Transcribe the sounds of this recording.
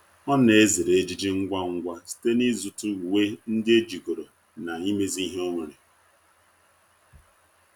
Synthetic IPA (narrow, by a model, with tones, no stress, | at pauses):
ɔ˦ne˨e˦zi˨ɾe˨˦d͡ʒi˦d͡ʒi˦ŋ̩˦ɡʷa˦ŋ̩˦ɡʷa˦si̥˨te˦ni˦zu˨tʊ˦u˨we˦n̩˦dɪ˦e˦d͡ʒi˨ɡo˨ɾo˨ | na˨i˦me˦zi˦i˦ɦe˦o˦ŋʷe˨ɾe˨